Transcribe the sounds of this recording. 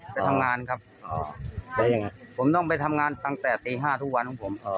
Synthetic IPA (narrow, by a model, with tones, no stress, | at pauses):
pa˧jt̪ʰa˧mŋaː˧nkʰa˦˥p̚ | ɔ̰˧˩˧jŋ˧pʰo˩˦mt̪ɔ˥˩ŋpa˧jt̪ʰa˧mŋaː˧nt̪a˥˧˩ŋt̪ɛː˨˩t̪iː˧ɦaː˥˩t̪ʰu˦˥k̚wa˧nt̪ʰɔ˦˥pʰo˩˦m